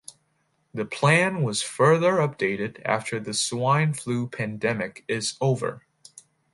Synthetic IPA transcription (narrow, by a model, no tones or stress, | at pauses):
ðɨpʰl̥æ̃nwʌz̥fɜ˞ðə˞ʌp̚d̥eɪɾɨɾæ̰ftʰə˞ðɨswãɪ̃nflupʰæ̃ndɛmɨkɪzoʊvə̰˞